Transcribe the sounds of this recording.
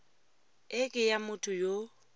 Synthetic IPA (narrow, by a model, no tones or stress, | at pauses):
ɪkʼɪjamʊtʰʼʊjo